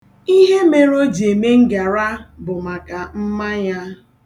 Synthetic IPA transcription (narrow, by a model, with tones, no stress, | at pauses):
i˦ɦe˦me˦ɾo˦d͡ʒi˨e˨me˦ŋ̩˦ɡa˨ɾa˦bʊ˨ma˨ka˨m̩˦ma˦ja˦